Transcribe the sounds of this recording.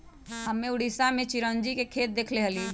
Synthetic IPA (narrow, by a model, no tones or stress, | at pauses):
ɦəmːẽʊɽisamẽt͡ʃiɾənd͡ʒikekʰeːt̪̚d̪eːkʰleɦəli